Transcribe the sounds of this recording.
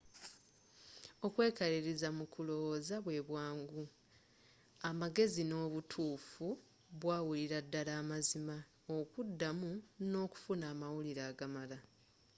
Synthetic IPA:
o̞kwe̞ːkaɾiɾizamukʰulo̞wozaβwe̞ːβwaːŋɡu | amaɡe̞zino̞ːβutʰuːfu | βwaːwuliɾadːalaːmazima | okudːamuno̞ːku̥funaːmawuliɾaːɡamala

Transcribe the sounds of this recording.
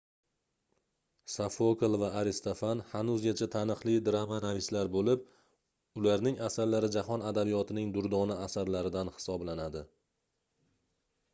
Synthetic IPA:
safoklˠvaːɾɪst̪ʰofanhanʊzɡʲat͡ʃʰat̪ʰanɨqlˠɪd̪ɾamanavɪslaɾbolɪp̚ | ʊlaɾnɪŋasaɾlaɾɪd͡ʒahɒnad̪abijɒt̪ʰɪnɪŋd̪ʊɾd̪ɒnaasaɾlaɾɪd̪anhɪ̥sɒblanad̪ɪ

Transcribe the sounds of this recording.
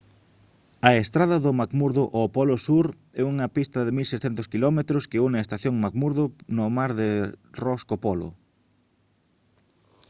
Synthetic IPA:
ɐest̪ɾaðɐðʊmakmuɾðʊʔopɔlʊsuɾ | ɛuŋɐpist̪ɐðɪmilsesθent̪ʊskilɔmet̪ɾʊskɪuneaest̪aθjoŋmakmuɾðʊnʊmaɾðɪrɔskopɔlʊ̰

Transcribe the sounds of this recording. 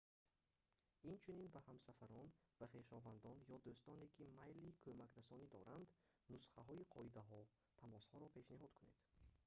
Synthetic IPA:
int͡ʃʰuninbahamsafaɾɔnvaχe̞ʃɔvand̪ɔnjɔd̪ust̪ɔne̞kʰimajlikʰømakɾasɔnid̪ɔɾʔand̪ | nusχaɦɔiqʰɔ̰id̪aɦɔ | t̪ʰamɔshɔɾɔpʰe̞ʃniɦɔd̪kʰuned̪̥

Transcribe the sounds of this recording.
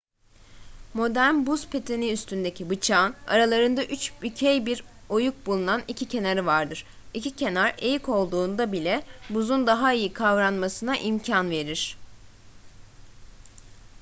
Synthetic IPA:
mo̞d̪æɾnbuz̥pʰe̞t̪ʰe̞niyst̪ʰynd̪e̞cʰibɯt͡ʃʰaːna̰ɾalˠaɾɯnd̪aʔyt͡ʃbycʰejbiɾ | o̞juk̚bulˠunanicʰicʰe̞naɾɯvaɾd̪ɯɾ̥ | icicʰe̞naɾejiko̞lˠd̪uːnd̪abilʲɛbuzund̪aɦaijikʰavɾanmasɯnaʔimcʰanve̞ɾiɾ̥

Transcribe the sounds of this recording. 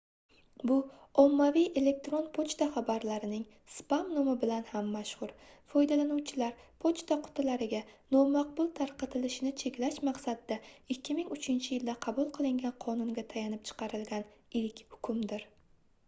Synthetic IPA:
bʊɒmːavijʔe̞le̞k̚t̪ɾo̞npʰot͡ʃt̪aχabaɾlaɾɪnɪŋ | spamnomɪbɪlanhamːaʃhʊɾfɒjd̪alanuwt͡ʃʰɪlaɾpʰot͡ʃt̪aqʰʊ̥t̪ʰlaɾɪɡʲanɒmaq̚bʊlˠt̪ʰaɾqɑt̪ʰɪlɪʃɪnɪt͡ʃʰe̞kʲlaʃmɑqsad̪d̪aɪkʲːɪmɪŋʊt͡ʃʰɪnt͡ʃʰɪjɪld̪aqʰɑbʊlˠqʰɨlˠɪŋɡʲanqʰɒnʊŋɡʲat̪ʰajanɪp̚t͡ʃʰɨ̥qʰɑɾɪlɡʲanɪlkʲhʊ̥kʰʊmd̪ɪɾ

